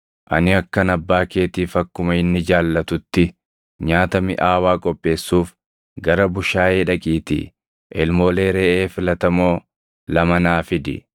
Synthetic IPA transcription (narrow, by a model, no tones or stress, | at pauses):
ʔɐ̰nɪɐkːɐnɐbːaːke̞ːt̪iːfɐkːʊmɐɪnːɪd͡ʒaːlːɐt̪ʊt̪ːɪ | ɲaːt̪ɐmɪ̰ʔaːwaːkʼɔpʼːe̞ːsːuːf | ɡɐɾɐbʊʃaːeːᶑɐkʼiːt̪ɪ̰ | ʔɛlmo̞ːle̞ːɾeːʔeːfɪlɐt̪ɐmo̞ː | lɐmɐnaːfɪd̪ɪ̰